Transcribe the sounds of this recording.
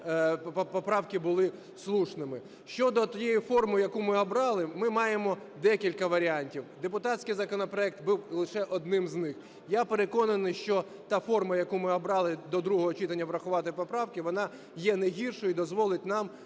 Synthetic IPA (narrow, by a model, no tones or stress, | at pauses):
ɔpɔpɾɑwkɪbʊlˠɪ | slˠuʃnɪmɪ | ʃt͡ʃɔd̪ɔt̪ɔjejifɔrmʊjɐkumɪɔbɾɑlˠɪmɪmɑjemɔ | d̪ɛkʲilʲkɐʋɐɾʲɪɑnʲtʲiwd̪epʊt̪ɑtʲsʲkɪjzɐkɔnɔpɾɔɛk̚t̪buwlˠɪʃɛʔɔd̪̚nɪmznɪx | japeɾekɔnɐnɪjʃt͡ʃɔ | t̪ɑfɔrmɐjɐkumɪɔbɾɑlˠɪd̪ɔd̪ɾuɦɔɦɔt͡ʃit̪ɐnʲːɐʋɾɐxʊʋɑt̪ɪpɔpɾɑwkɪʋɔnɑ | jɛneɦʲirʃɔjʊid̪ɔzʋɔlˠɪt̚ʲnɑm